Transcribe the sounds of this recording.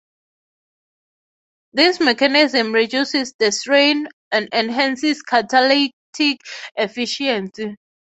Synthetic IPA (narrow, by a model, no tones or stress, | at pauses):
ðismɛkanizə̃mɹid͡ʒjusisdəstɹẽnãnɛ̃nɦãnsiskʰatʰalitʰikefiʃiɛ̃nsi